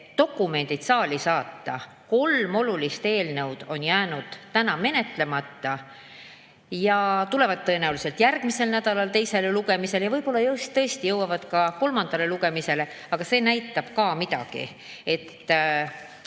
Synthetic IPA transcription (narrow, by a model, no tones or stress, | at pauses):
t̪o̞kːˑume̞nd̪̥id̪̥sɑːlisɑːt̪ːɑ | ko̞lmo̞lulist̪e̞ːlnɤwd̪̥o̞njæːnud̪̥t̪ænɑme̞ne̞t̪ˑle̞mɑt̪ːɑ | jɑt̪ule̞vɑd̪̚t̪ːɤ̞e̞næwliselt̪jærɡ̥mise̞lnæd̪ɑlɑlt̪e̞jse̞leluɡ̥e̞mise̞ljɑvɤjpo̞lːɑjɤwst̪t̪ːɤ̞est̪ijɤwɑvɑd̪̥kɑko̞lmɑnd̪ɑle̞luɡ̥e̞mise̞le̞ | ɑɡ̥ɑse̞ːnæjt̪ːˑɑb̥kɑːmid̪̥ɑ̰ɡ̥ḭ | e̞t̪ː